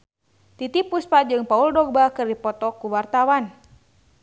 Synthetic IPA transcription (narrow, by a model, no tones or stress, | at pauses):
t̪it̪ipuspad͡ʒɨŋpauldɔɡ̚bakɨrdipɔt̪ɔkuwart̪awan